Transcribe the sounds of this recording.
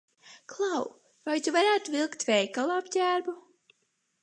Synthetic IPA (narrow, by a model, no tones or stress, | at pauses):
klˠaw | vajt̪uvaɾæːt̪uvilˠkt̪vɛjkalˠapɟʲæːɾbu